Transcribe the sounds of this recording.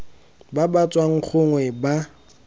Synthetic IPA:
babat͡sʼwaŋ̩k͡xʰʊŋwɛba

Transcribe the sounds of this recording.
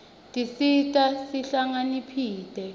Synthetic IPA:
tʼisitʼasiɬaŋanipʰiːtʼɛ

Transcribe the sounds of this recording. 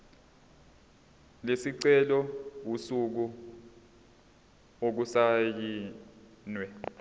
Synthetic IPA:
lesiǀɛlɔwusuk̬u | ok̬usajiː | nwɛ

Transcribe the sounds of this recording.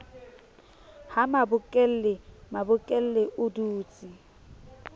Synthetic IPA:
hamabʊkʼel̩lɪmabʊkʼel̩leʔʊduːt͡sʼi

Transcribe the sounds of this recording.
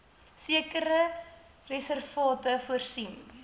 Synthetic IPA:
siəkəɾə | rɛsərfɑːtəfuərsin

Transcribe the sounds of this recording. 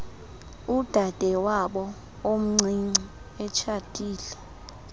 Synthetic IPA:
ud̥ʱad̥ʱɛwaɓɔ | om̩ŋ͡ǀʱiŋ͡ǀi | ɛt͡ʃʰad̥ʱʼiːlɛ

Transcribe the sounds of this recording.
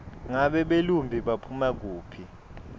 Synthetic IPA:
ŋaɓɛɓelumbʱiɓapʰumak̬uːpʰi

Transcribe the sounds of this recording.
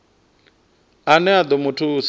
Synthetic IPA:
anɛad̪ɔmutʰus

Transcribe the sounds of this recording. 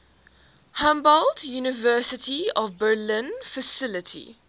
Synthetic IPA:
hãmbəldjuːnɪvɜːˑsɪtʰiɔvbəlɪ̃nfəsɪlɪtʰḭ

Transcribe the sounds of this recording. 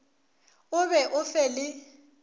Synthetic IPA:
ʊβɛʔʊfɛlɪ

